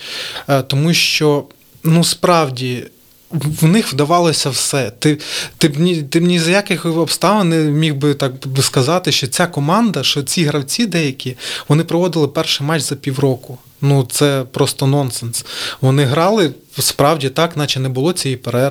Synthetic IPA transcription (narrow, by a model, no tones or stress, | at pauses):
t̪ɔmuʃt͡ʃɔ | nuspɾɑwdʲi | wnɪxwd̪ɐʋɑlˠɔsʲɐwsɛt̪ɪt̪ɪbnʲit̪ɪbnʲizɐjakɪxɔpst̪ɑʋɐnnɪmʲiwbɪt̪ɑkskɐzɑt̪ɪʃt͡ʃɔt͡sʲakɔmɑnd̪ɐʃɔt͡sʲiɦɾɐwt͡sʲid̪ɛjɐkʲiʋɔnɪpɾɔʋɔd̪ɪlˠɪpɛrʃɪjmɑt͡ʃz̥ɐpʲiwɾɔkʊ | nut̪sɛpɾɔst̪ɔnɔnsɛnsʋɔnɪɦɾɑlˠɪspɾɑwdʲit̪ɑknɑt͡ʃɪnɛbʊlˠɔt͡sʲijipeɾɛ